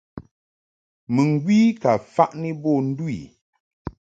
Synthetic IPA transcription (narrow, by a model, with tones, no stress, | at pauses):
mɨ˨ŋ˨ɡwi˦ka˨fa˦ʔni˦bɔ˦˨n̩˦dwḭ˨